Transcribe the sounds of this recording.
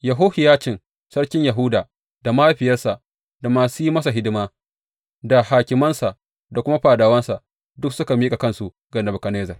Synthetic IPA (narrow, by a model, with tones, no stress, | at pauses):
jɐ˨ɦoː˦hɪ˨jaː˦t͡ʃɪ˨n | sɐ˦ɽkʲɪ˦ɲja˨ɦʊ˦daː˨ | d̥a˨ma˦ɸɪ˨jɐ˦rsa˨ | da˨maː˨su˦i˦mɐ˦s̬a˨ɦɪ˦dɪ˦maː˦ | da˨haː˨kʲɪ˨mɐ˦nsa˨ʔ | da˨kʷʊ˦ma˦ɸaː˨daː˨wɐ˦nsa˨ʔ | dʊ˦ksʊ˦ka˨miː˦kʼa˨kɐ˦nsu˨ʔ | ɡɐ˨nɐ˨bʊ˨kɐ˨neː˦zɐ˨r